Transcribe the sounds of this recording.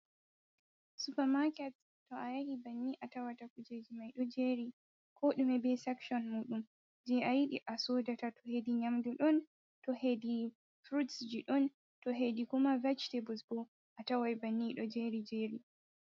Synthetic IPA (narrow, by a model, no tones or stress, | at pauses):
supɛmakɛt | tːɔajahibanːiʔatawatakud͡ʒed͡ʒimajɗɔd͡ʒeɾi | kʰɔɗumɛbɛsɛkʃɔnmuːɗum | d͡ʒɛʔajiɗiʔasoːdatatɔhediɲamduɗɔn | tɔhedi | fɾutsd͡ʒiɗɔn | tɔɦedikumavat͡ʃtebusbɔ | ʔatawajbanːiɗɔd͡ʒeɾid͡ʒeːɾi